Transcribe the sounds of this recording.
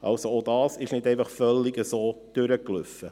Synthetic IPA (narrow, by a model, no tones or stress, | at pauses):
ʔɑ̰lsoodɑːsɪʃnɪdɛɪfɑχfœlːiɡəsoːd̥ʏɾəklʏfə